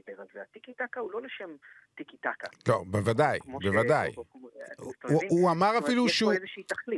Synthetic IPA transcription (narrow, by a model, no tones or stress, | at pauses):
beʁalzeat̪ikit̪akahulo̞leʃem | t̪ikit̪aka̰lobevad̪ajbevad̪aj | suamaʁafiluʃuzeʃeitaχli